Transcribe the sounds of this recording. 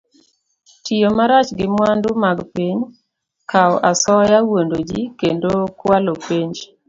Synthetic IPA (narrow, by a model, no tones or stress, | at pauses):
tijomaɾat͡ʃɡɪmwandʊmaɡpiɲ | kʰaɔʔasɔjawondod͡ʒikendokwalopiɲd͡ʒ